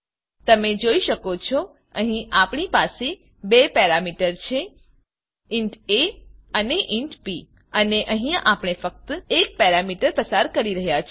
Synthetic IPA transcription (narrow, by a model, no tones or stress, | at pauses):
t̪əmed͡ʒoiʃəkot͡ʃʰo | əɦĩʔapɳ̃ipase | bepɛɾamiʈəɾt͡ʃʰe | iɳʈeəneʔiɳʈpi | əneʔəɦĩapɽ̃efək̚t̪ek̚pɛɾamiʈəɾpəsaɾkəɾiɾəɦjat͡ʃʰe